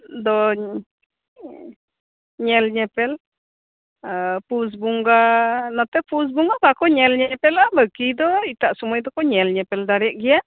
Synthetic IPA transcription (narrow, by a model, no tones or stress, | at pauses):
d̪ɔ | ɲɛlɲɛpɛl | pus̬buŋɡanɔt̪ɛpus̬buŋɡakakɔɲɛlɲɛpɛlabəkid̪ɔit̪aʔsumɔjd̪ɔkɔɲɛlɲɛpɛld̪aɾijaʔɡija